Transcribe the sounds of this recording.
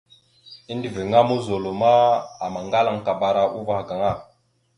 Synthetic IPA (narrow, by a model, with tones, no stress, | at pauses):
i˦ndi˨vi˨ŋa˦mu˦zo˨lo˨ma˦a˨ma˨ŋɡa˦la˨ŋka˨ba˨ɾa˦˨ʔu˦va˨ɡa˨ŋa˦˨